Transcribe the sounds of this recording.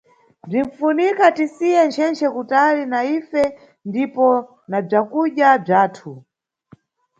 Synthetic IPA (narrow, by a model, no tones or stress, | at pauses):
b͡ʐiɱfunikatisiɛnt͡ʃʰɛnt͡ʃʰɛkutalinaifɛ | ndipɔ | nab͡ʐakuɗjab͡ʐaːtʰu